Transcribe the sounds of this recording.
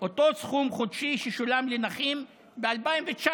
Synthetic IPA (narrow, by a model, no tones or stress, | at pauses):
oto̞sχumχodʃiʃeʃolamlenaχim | bealpaimvet͡ʃa